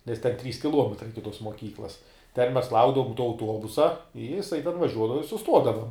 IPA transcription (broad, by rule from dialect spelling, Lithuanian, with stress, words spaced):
nʲɛs tʲɛn ˈtʲrʲiːs kʲɪˈlˠuɔmʲɛtrɐɪ ˈɪkʲɪ ˈtoːs moːˈkʲiːklˠɐs tʲɛn mʲɛs ˈlˠɐʊɡdɐʋʊm tuɔ ɐʊˈtuɔbʊsɐ ɪ jɪˈsɐɪ tʲɛn ʋɐˈʒʲuɔdɐʋɐ ɪ sʊˈstuɔdɐʋɐ